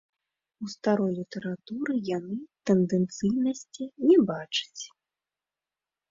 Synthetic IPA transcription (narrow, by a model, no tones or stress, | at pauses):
ust̪aɾɔjlʲit̪ɛɾat̪uɾɨjanɨt̪ɛnd̪ɛnt̪sɨjnɐsʲt͡sʲinʲɛbat͡ʂɨ̥t͡sʲ